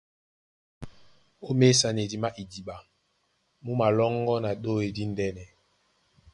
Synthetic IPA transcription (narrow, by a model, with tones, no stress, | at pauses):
o˦me˦sa˨ne˨di˨ma˦ʔi˨di˨ɓa˨ | mu˦ma˨lɔ˦ŋɡɔ˦na˨ɗo˦e˨di˦n˦dɛ˦nɛ˨